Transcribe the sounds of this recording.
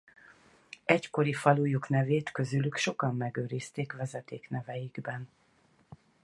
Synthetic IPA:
ɛcko̞ɾifɒlujuknɛveːt̪kø̞zylykʃo̞kɒmːɛɡøːɾist̪eːkvɛzɛt̪eːknɛvɛjiɡbɛn

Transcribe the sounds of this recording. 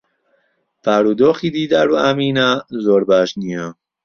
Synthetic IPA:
pʰæɾud̪ɔːxid̪iːd̪æɾuæmiːnæzoɾbæʃniæm

